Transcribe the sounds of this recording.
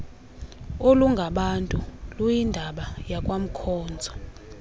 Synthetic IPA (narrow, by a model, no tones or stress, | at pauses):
oluŋɡʱaɓantʼulujindʱaɓajakʼwam̩kʰɔːnd͡zʱɔ